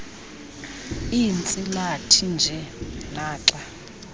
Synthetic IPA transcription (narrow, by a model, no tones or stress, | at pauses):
int͡sʼilatʰind͡ʒʱɛnaːǁa